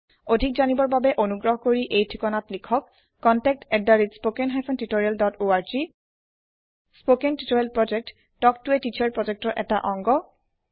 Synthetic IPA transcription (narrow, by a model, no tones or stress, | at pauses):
odʱik̚zanibɔɹbabɛʔonuɡɹɔɦɔkoɹiʔejtʰikɔnatlikʰɔkː | ɔntɛk̚tɛdːaɹitspokɛnɦajpʰɔntitoɹialdɔtoaɹzi | spokɛntitoɹialpɹɔd͡ʒɛk̚tː | ɔk̚tʊɛtit͡ʃʰaɹpɹɔzɛk̚tɔʔɛta̰ʔɔŋɡɔ